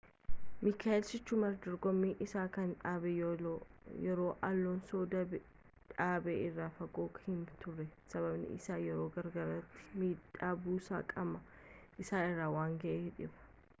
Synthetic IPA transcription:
mɪkaːɛlsɪt͡ʃːʊmɐɾd̪ɔɾɡɔmːiːʔɪsaːkɐnᶑaːbɛ | jɛɾo̞ːʔɐlːoːnsoːd̪ɐb | ᶑaːbeːɪrːaːfɐɡoːkhɪnt̪ʊrːɛsɐβɐbnɪ̰ɪ̰saːjɛɾo̞ːɡɐɾɡɐɾɐt̪ːɪ̥miːᶑaːbuːsaːkʼɐmɐʔɪsaːnɪrːaːwaːŋɡɐʔeːɪᶑɪbɐ̥

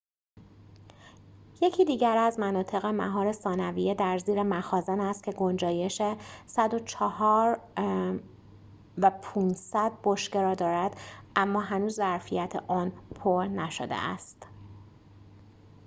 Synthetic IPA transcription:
je̞cʰiːd̪iːɟæɾæzmænɒːt̪ʰe̞ɣemæ̰ɦɒːɾe̞sɒːnævijed̪æɾziːɾemæxɒːzænæst̪kcʰe̞ɡo̞nd͡ʒɒːje̞ʃesæd̪ot͡ʃʰɒhɒːɾ | væpʰuːnsæd̪̚boʃce̞ɾɒːd̪ɒːɾæd̪̥ʔæmːɒːɦænuːzːæɾfijæt̪ʰḛʔɒːnpʰoɾnæʃo̰d̪ḛʔæ̰st̪

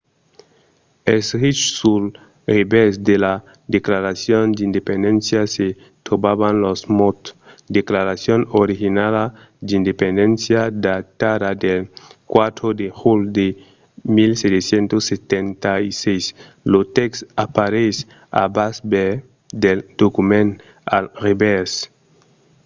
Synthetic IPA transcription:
esɾit͡ʃsul | ɾebesd̪ela | d̪eklaɾasjond̪ind̪epend̪ensjase | t̪obaβanlosmot̪d̪eklaɾasjonoɾixinala | d̪ind̪epend̪ensjad̪at̪adad̪elkwat̪ɾod̪exuld̪e | milset̪esjent̪osːet̪ent̪aisejs | lot̪eksapaɾes | a̰basbe | d̪eld̪̥okumẽn | a̰lrebes

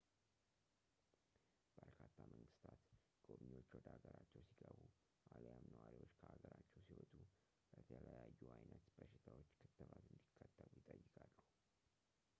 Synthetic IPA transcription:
b̥əɾkʰat̪ʰːamʔəŋɡɨst̪ʰat̪ | ɡʼobɲiwo̞t͡ʃːwɔd̪əhaɡəɾat͡ʃːɛwsiɡəβu | ʔaljamnəwaɾiwo̞t͡ʃːkʰəhaɡəɾat͡ʃːɛwsiehot̪ʰu | bət̪ʰələjajːuʔajnət̪b̥əʃɪt̪ʰawo̞t͡ʃːkʰɨt̪ʰːəβat̪ɨnd̪ikʰːət̪ʰːəβujɪt̪ʼəjːɪkʼalːuh

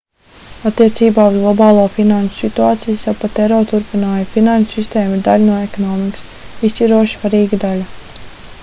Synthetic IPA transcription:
at̪ːiɛt̪siːbaːuzɡlˠɔbaːlˠuːɔfinant͡ʃu̥sit̪uaːt̪sijsawpat̪ɛɾɔːt̪uɾpinaːjafinant͡ʃu̥sist̪ɛːmiɾd̪alʲnuɔɛkɔnɔːmiks | isʲt͡ʃʲiɾuɔʃsʋvaɾiːɡad̪alʲa

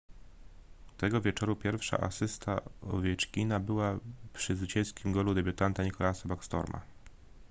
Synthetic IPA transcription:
t̪ɛɡɔvʲjɛt͡ʂɔɾupʲjɛɾfʂa̰ʔa̰sɘst̪ʰaɔ̰vʲjɛt͡ʂkʲinabɘwapʂɘzvɘt͡ɕɛskʲimɡɔlud̪ɛbʲjut̪ant̪aɲikɔlasabakst̪ɔ̰ɾmʔa̰

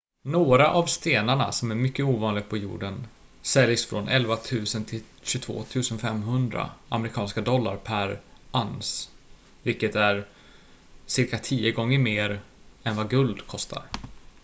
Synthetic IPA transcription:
noːɾaʔavst̪eːnaɳa̰sɔmæɾmʏkːəuːvɑːnlɪɡapʰɔjṵːɖən | sɛljsfɾɔnɛlvat̪ʰʉ̟ːsənt̪ʰɪl | ɕɵt̪ʰvo̰ːt̪ʰʉ̟ːsənfɛmɦɵnd̪ɾa̰a̰mɾɪkʰɑːnskad̪ɔlːa̰ɾpʰæɾʔans | vɪlkːət̪æɾ | sɪɾkat̪ʰiːəɡɔŋːəɾmeːɾ | ɛnvaɡɵld̪kʰɔst̪ʰa̰ɾ

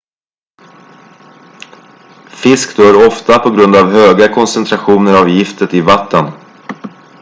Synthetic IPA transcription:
fɪskd̪øːɾɔft̪apʰɔɡɾɵnd̪avɦøːɡakʰɔnsɛnt̪ʰɾaɧuːnəɾavjɪft̪ət̪ɪvat̪ːən

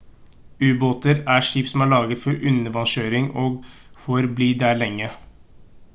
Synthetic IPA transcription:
ʉːboːt̪əɾæʂiːpsɔm̩æːɭɑːɡət̪fɔɾʔʉnːəʋɑnʃøːɾɪŋoːɡfɔɾbliːd̪æːɭɛŋːə

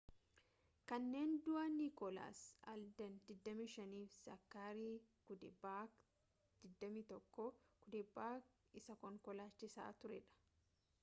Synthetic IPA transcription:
kɐnːe̞ːnd̪ʊʔaniːkɔla̰ːsɐld̪ɐnd̪ɪd̪ːɐmiːʃɐniːfsɐ̰kːaːɾiːkʊd̪baː | d̪̥ɪd̪ːɐmiːt̪ɔkːɔkʊd̪ɪbːaːk | ɪsɐkɔŋkɔlaːt͡ʃːɪsa̰ːt̪ʊɾɛ̰ᶑɐ̥

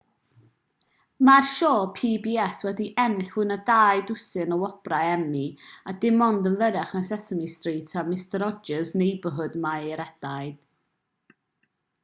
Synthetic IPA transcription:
marʃoːpʰiːbiɛswɛdiʔɛnɪɬwɨnədaːjdʊsɨnəwɔb̥raɛmiadɪmɔndənvəɾɛχnasɛsəmistriːtʰamɪstəɾɔd͡ʒəznejbəɦʊdmajɾɛd̥ajd̥

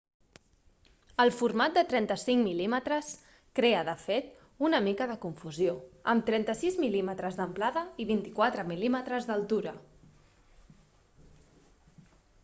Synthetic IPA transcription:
əlˠfurmat̪̚d̪ət̪ɾɛnt̪əsiŋmilimət̪ɾəs | kɾeəðəfet̪ | unəmikəðəkuɱfuzjoəmt̪ɾɛnt̪əsizmilimət̪ɾəzðəmplaðəiβint̪i̥kwat̪ɾəmilimət̪ɾəzðəlˠt̪uɾə

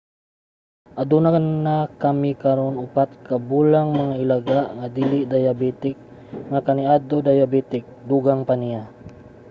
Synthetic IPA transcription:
ʔad̪unakannːakamikaɾonʊpat̪kabuːlaŋmaŋaɪlaɡaʔŋad̪ilɪd̪ajabɛt̪ɪk̚ | ŋakaniʔad̪od̪ajabɛt̪ɪk̚d̪uɡaŋpanija

